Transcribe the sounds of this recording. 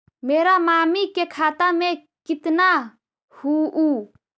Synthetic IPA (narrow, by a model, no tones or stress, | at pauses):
meːɾamaːmikekʰaːt̪amẽ | kɪt̪na | huʔu